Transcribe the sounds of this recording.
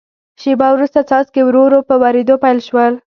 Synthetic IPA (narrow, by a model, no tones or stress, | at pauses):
ʃebɑwɾust̪at͡sɑskewɾoɾopəwaɾed̪opajlʃwəl